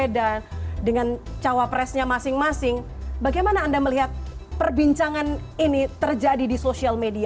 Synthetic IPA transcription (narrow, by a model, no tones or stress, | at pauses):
edadəŋant͡ʃawapɾɛsɲamasɪŋmasɪŋbaɡajmanaːndaməliɦat̪̚pərbiɲt͡ʃaŋaninit̪ərd͡ʒadidisosialmedia